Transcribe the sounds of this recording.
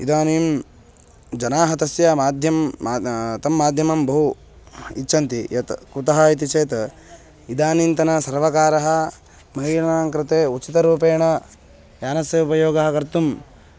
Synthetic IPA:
id̪aːniːm | d͡ʒɐnaːɦɐt̪ɐsjɐmaːd̪ʱjɐm | t̪ɐmːaːd̪ʱjɐmɐmbɐɦu | itːʃʰɐnt̪ijɐt̪kut̪ɐɦɐit̪̬it͡ʃeːt̪ | id̪aːnint̪ɐnɐsɐɾʋɐkaːɾɐɦɐ | mɐɦiʂɐɳaːŋkɾɪt̪eːut͡ʃit̪ɐɾuːpeːɳɐ | jaːnɐsjɐupɐjoːɡɐɦɐkɐɾt̪um

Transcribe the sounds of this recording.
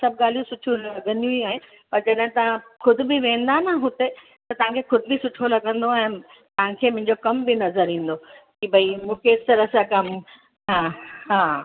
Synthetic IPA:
sɐb̚ɡaːl̤ijũsʊʈʰũlɐɡə̃nd̪ijũiaːɦe | pɐɾd͡ʑɐɗɦt̪ɐãxʊd̪ʱɪ̆bɪʋẽːnd̪anəɦʊt̪e | t̪ɐt̪ɐʋ̤ãkʰexʊd̪ʱɪbɪsʊʈʰolɐɡə̃nd̪oɛɦː | t̪ɐɦãkʰeːmʊ̃ɦɪ̃ɲd͡ʑokɐmbɪnɐzəɾĩːn̆d̪okibʱɐimũːkʰesɐɾəsakɐm | ɦãɦãː

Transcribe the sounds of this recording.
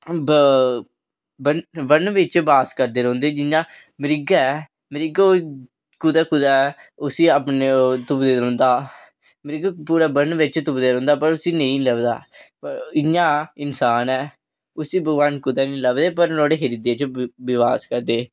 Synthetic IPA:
bənbənʋɪt͡ʃbaːskəɾd̪eːɾɔ̃ːnd̪eːd͡ʒɪãː | mɪɾɪɡɛː | mɪɾɪɡo | kʊd̪aːkʊd̪aːɛʊsiːaːpneːt̪ʊbd̪eːɾɔ̃ːnd̪aː | mɪɾɪɡpuːɾaːbənʋɪt͡ʃt̪ʊbd̪eːɾɔ̃ːnd̪aːpəɾʊsiːnəĩːləɡd̪a̰ːpəɪãːɪnsaːnɛː | ʊsiːbəɡʋaːnkʊd̪ɛːnĩːləbd̪eːpəɾnɔːɽeːɦəɾid̪eːt͡ʃbɪʋaːskəɾd̪eː

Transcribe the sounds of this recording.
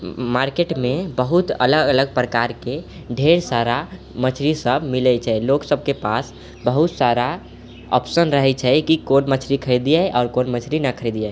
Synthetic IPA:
maɾkeʈmebəɦut̪ə̰ləɡələɡ̚pɾəkaɾke | ɖʱeɾsaɾa | mət͡ʃʰɾisəbmilɛt͡ʃʰɛloksəb̚kepas | bəɦut̪saɾa | ɔ̰psənɾəɦɛt͡ʃʰɛkikonmət͡ʃʰɾikʰəɾed̪ijɛʔɔːɾkonmət͡ʃʰɾinəkʰəɾid̪ija

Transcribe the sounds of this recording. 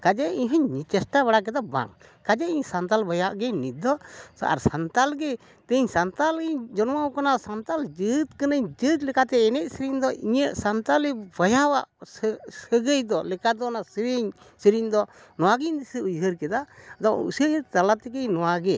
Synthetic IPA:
kad͡ʒɛiɲɦəɲːit͡ʃɛsʈaβaɽak̬ɛd̪aba̰ŋkad͡ʒɛiɲsant̪albajaʔɡɛnit̪̚d̪ɔa̰ɾsant̪alɡɛ | t̪eɲsant̪alɡɛɲd͡ʒɔnmawkanasant̪ald͡ʒət̪kənəɲd͡ʒət̪lɛkat̪ɛːnɛt̪̚səɾiɲd̪ɔiɲəʔsant̪alɛbajawaʔssəɡəjd̪ɔlɛkad̪ɔnasəɾiɲ | səɾiɲd̪ɔ | nɔwaɡiɲd̪isəujɦəɾkɛd̪ad̪ɔṵsəɲəɾt̪alat̪ɛkəɲnɔwaɡɛ

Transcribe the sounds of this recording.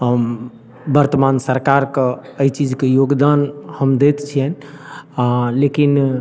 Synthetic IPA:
ɦ | bəɾt̪əmansəɾkaɾkeəit͡ʃid͡ʒkejoɡd̪anhəmd̪et̪t͡ʃʰijɛn | lekin

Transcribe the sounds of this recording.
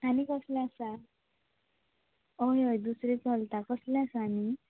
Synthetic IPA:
aɽikʌslẽasa | oɦjojd̪usɾit͡sɔlt̪akʌslɛ̃asaani

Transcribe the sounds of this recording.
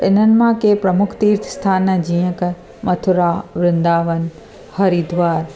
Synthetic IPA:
ɪn̤ənɪ̆mãkeːpɾɐmʊkʰt̪iːɾt̪ʰst̪ʰaːnd͡ʑiːə̃k | mɐt̪ʰʊɾaʋɾɪ̃nd̪aːʋən | hɐɾid̪ʱʋaːɾ

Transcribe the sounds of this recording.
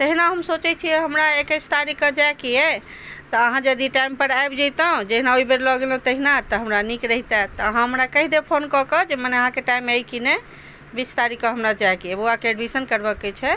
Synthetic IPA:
t̪əɦinaɦəmsot͡ʃɛt͡ʃʰiɦəmɾaekəjst̪aɾikːəd͡ʒajkijɛ | t̪ɔəɦãd͡ʒəd̪iʈajmpəɾajbd͡ʒəjt̪ə̃d͡ʒəɦinaoibeɾlɔɡelẽt̪əɦinat̪ɔɦəmɾanikɾəɦit̪at̪ɔəɦãɦəmɾakəɦid̪epʰonkɔkəd͡ʒemaneəɦãkeʈaimajkine | bist̪aɾikəɦəmɾad͡ʒajkiɛbuakeeɖbisənkəɾbəkːet͡ʃʰɛ

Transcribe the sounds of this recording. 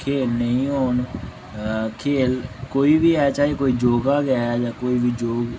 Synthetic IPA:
kʰeːlnəĩːɦoːn | kʰeːlkoːiːʋiːɛːt͡ʃaːɦeːkoːiːd͡ʒoːɡaːɡɛːjaːkoːiːbiːd͡ʒoːɡ

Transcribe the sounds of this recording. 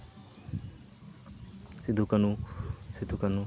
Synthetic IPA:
sid̪ʱukɐnusid̪ʱukɐnu

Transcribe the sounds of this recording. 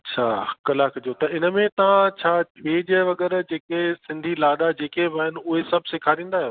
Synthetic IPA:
ɐt͡ɕʰaːkɐlaːkʰd͡ʑot̪ɐɪnə̆mẽt̪ɐʋ̤ãt͡ɕʰaːʋeːd͡ʑəʋɐɡɛɾd͡ʑeːkesɪ̃nd̪ʱilaːɗ̪ad͡ʑeːkeʋaːɦɪnɪ̆ʊɦesɐbʱsɪkʰaɾĩːn̆d̪aːɦjoː

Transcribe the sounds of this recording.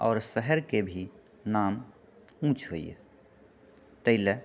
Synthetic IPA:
ɔːɾsəɦəɾkebʱi | naːm | ũːt͡ʃʰɦoːḭj̰ | t̪əɪlə

